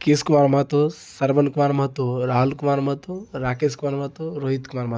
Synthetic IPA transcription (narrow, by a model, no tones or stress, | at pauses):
keːskumaːɾmat̪osɐɾʋɐnkumaːɾmɦɐt̪oɾaːɦulkumaːɾmɦət̪oɾaːkeːskumaːɾmɐət̪oɾoːɦit̪kumaːɾmɐ